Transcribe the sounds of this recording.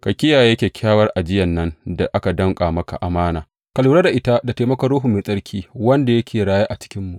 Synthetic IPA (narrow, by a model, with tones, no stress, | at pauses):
kɐ˨kʲɪ˦jaː˨je˦kʲeː˨kʲʰaː˦wɐ˦rʔa˨d͡ʒɪ˦jɐ˨nːɐ˦nda˨ʔa˦ka˨dɐ˦ŋkʼaː˨mɐ˦ka̰˨ʔa˨maː˦naː˨ | kɐ˨luː˦ɾa˦da˨ʔɪ˦ta˦da˨teː˨mɐ˦kɐ˦ɾoː˦ɦu˦˨meː˨sʼɐ˦ɾkʲʰiː˦wɐ˦nda˨jɐ˦kʲʰeː˨ɽaː˦jaː˦ʔa˨t͡ʃɪ̥˦kʲɪ˦mːu˨ʔ